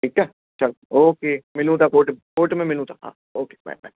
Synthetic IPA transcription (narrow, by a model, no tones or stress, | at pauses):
ʈʰiːk̚t͡ʃa | t͡ʃɐloːkeːmɪlũt̪ʰakoːʈkoːʈmẽmɪlũt̪ʰḁɦã̰ː | oːkeːba̰jba̰j